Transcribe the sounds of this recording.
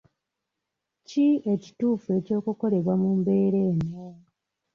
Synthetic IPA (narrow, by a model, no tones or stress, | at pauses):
cie̞ci̥tuːfue̞co̞ːkuko̞le̞βwamumbe̞ːɾeːno